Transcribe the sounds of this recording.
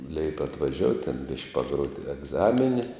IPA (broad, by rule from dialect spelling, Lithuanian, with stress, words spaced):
lʲɛɪpʲ ɐtʋɐˈʒʲoːʊtʲ tʲɛn ˈbʲɪʃʲkʲ pɐˈɡroːt ɛɡˈzɑːmʲɪnʲɪ